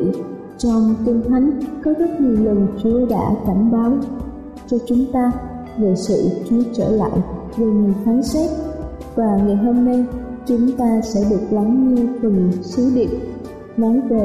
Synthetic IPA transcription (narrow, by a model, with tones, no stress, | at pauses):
t͡ɕɔ˧wŋ͡mt̪i˧ŋt̪ʰa˨˦jŋkɔ˨˦zə˦˥t̚ɲi˨˩əwlə˨˩ŋt͡ɕə˧˦ɗa̰ː˧˥ka˧˩nɓaː˨˦w | t͡ɕɔ˧t͡ɕʊ˨˦ŋ͡mt̪aː˧ | ve˨˩sɨ̰˧˨t͡ɕu˧˦t͡ɕəː˧˩la̰ː˧˨j | ve˨˩ŋɨ˨˩əfa˨˦ŋsɛ˦˥t̚ | vaː˨˩ŋa˨˩jɦo˧mna˧jt͡ɕʊ˨˦ŋ͡mt̪aː˧sɛ̰˧˥ɗɨ˨˩ək̚la˨˦ŋɲi˧fɨ˨˩ŋsɨ˨˦ɗḭ˧˨ŋ | mɔ˨˦nve˨˩